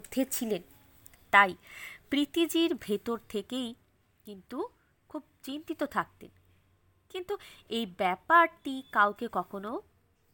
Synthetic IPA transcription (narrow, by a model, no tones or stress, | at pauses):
d̪ʱːet͡ɕʰilen | t̪ajpɾit̪id͡ʑiɾbʱet̪oɾt̪ʰekej | kint̪u | kʰub̚t͡ɕint̪it̪ot̪ʰak̚t̪ḛn | kint̪uejbɛpaɾʈikawkekɔkʰono